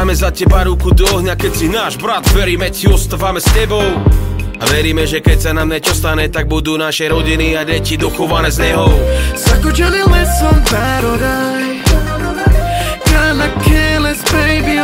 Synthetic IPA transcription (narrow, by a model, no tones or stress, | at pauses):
mɛzacɛbaɾukud̪ɔɦɲakɛcsinaːʒbɾad̪ʋɛɾiːmɛcsiɔst̪avamɛscɛbɔʊaʋɛɾiːmɛʒɛkɛcsanamɲɛt͡ʃɔst̪aɲɛt̪aɡ̚bud̪uːnaʃɛjɾɔɟiniaɟɛcid̪ɔxɔʋanɛːzɲɛɦɔʊsakud͡ʒɛnilmɛsɔmd̪aɾɔɾaj | kanakʰɛlɛspɛjbi